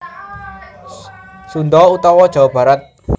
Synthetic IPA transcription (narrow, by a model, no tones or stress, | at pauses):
sund̪ɔut̪ɔwɔd̥ʒ̥a̤wab̥ä̤ɾat̪̚